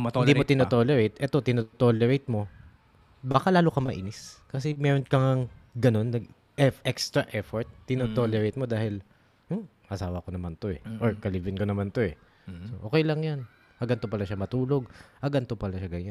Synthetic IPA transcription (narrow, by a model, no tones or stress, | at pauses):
mɪnd̪iːmot̪ɪnot̪oːlɛɾejt̪ʔɛt̪o̞t̪ɪnot̪oːlɛɾejt̪̚mo̞ | bakalaːlokɐmɐʔḭːnɪskɐsɛmɛːɾonkɐŋɐŋɡɐno̞nːɐɡ | ʔɛʔɛkst̪ɾɐʔɛfoɹt̪̚ːɪnot̪oːlɛɹejt̪̚mo̞d̪aːhɪl̩ | ʔɐsaːwɐkonɐmant̪o̞ɛ̰ʔoɹkɐliːvɪnkonɐmant̪o̞ɛ | soʔoːkɛjlɐŋjan | hɐɡɐnt̪opɐlaʃamɐt̪uːlo̞ɡ̚hɐɡɐnt̪opɐlaʃaɡɐɲan